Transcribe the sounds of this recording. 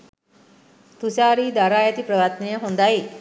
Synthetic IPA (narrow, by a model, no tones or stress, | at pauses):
t̪uɕaɾiːd̪aɾajat̪iːpɾəʋat̪nijaɦõnd̪ai